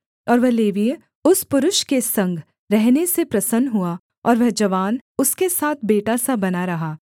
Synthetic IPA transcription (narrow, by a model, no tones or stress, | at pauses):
ɔːɾʋɛɦleːʋijə | ʊspʊɾʊʃkesɐ̃ŋɡʱ | ɾɛɦnesepɾɐsənɦua | ɔːɾʋɛɦd͡ʒɐʋaːnʊskesaːt̪ʰbeːʈasabɐnaɾɐɦaː